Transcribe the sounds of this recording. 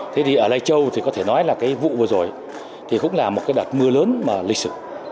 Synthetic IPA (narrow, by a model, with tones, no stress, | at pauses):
t̪ʰe˨˦t̪ʰi˨˩ʔəː˧˩la˧jt͡ɕə˧wt̪ʰi˨˩kɔ˨˦t̪ʰe˧˩nɔ˨˦jlaː˨˩kaː˨˦jvṵ˧˨vɨ˨˩əzo˨˩j | t̪ʰi˨˩kʊ̰˧˥ŋ͡mlaː˨˩mo˨˩t̚kaː˨˦jɗwa˨˩t̚mɨ˧ələː˨˦nmaː˨˩lï˨˧k̟sɨ˧˩